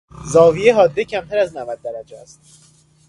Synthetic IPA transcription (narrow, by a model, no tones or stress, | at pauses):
zɒːvijeɦɒːd̪ːecʰæmt̪ʰæɾæznævæd̪̚ːæɾæd͡ʒeæst̪